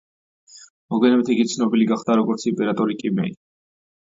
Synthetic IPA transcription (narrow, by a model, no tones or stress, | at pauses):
mɔɡwɛnɛmɛt̪ʰiɡit̪sʰnɔbiliɡaχd̪aɾɔɡɔɾt̪sʰipʼɛɾat̪ʼɔɾikʼimɛi